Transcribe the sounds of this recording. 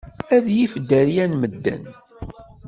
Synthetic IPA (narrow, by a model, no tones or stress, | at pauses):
æðjifd̪ːəɾjænməd̪ːæ̰n